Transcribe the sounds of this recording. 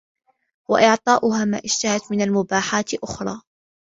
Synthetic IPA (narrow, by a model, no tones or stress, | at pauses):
wa̰ʔɪʕt̪ˤɑːʔʊɦaːma̰ːʔɪʃt̪ahat̪mɪnalmʊbaːħaːt̪ʔʊxɾˤɑː